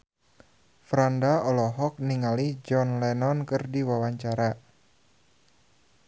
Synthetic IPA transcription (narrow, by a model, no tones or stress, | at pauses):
fɾandaɔlɔɦɔk̚niŋalid͡ʒɔnlɛnɔnkɨrdiwawaɲt͡ʃaɾa